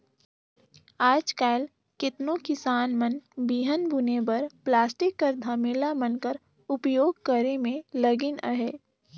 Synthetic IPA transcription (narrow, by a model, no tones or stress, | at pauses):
aːd͡ʒkaːl | kɪt̪nõkɪsaːnmənbiːɦənbʊnebəɾplaːsʈɪkːəɾd̪ʱaːmeːlamənkəɾ | ʊpjoːɡkəɾemẽləɡɪnəɦeː